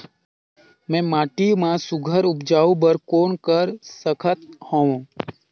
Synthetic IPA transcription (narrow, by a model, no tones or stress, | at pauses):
mɛ̃ːmaːʈimãsʊɡʱəɾʊpd͡ʒaːũbəɾkoːnkəɾsəkʰət̪hõːũː